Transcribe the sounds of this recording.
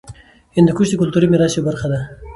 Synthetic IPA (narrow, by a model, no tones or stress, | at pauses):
hɪnd̪əkuʃd̪əkʊlt̪uɾimɪɾɑsjewbaɾxad̪a